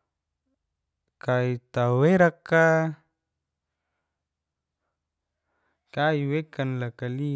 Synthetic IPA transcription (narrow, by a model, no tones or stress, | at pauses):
kait̪aweɾakːa | kaiwekanlakali